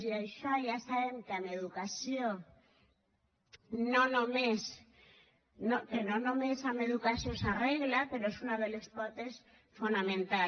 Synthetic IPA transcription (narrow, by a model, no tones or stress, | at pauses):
siajʃaʝasaβeŋkeameðukasjo | nõnõmes | nokenonõmesame̞ðukasjosareɣlape̞ɾoesunaðelespot̪es | funamẽnt̪a